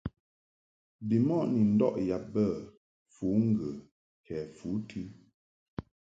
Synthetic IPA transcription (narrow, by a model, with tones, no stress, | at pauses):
bi˨mɔ˦˨ʔni˨n̩˦dɔ̰˦ʔja˨bə˦˨ | fu˨˦ŋ̩˦˨ɡə˨ | kʰɛ˨fu˨˦tʰi˦